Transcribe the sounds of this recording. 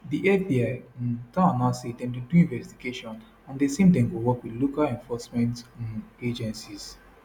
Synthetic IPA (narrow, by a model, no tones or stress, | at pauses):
diʔɛbiaɪ̃tãanasetɛ̃ntuduĩnvɛstiɡeʃɔ̃n | ãndesẽmtɛ̃ŋɡowɔkwidlokalɛ̃ɱfɔsmɛ̃nted͡ʒɛ̃nsis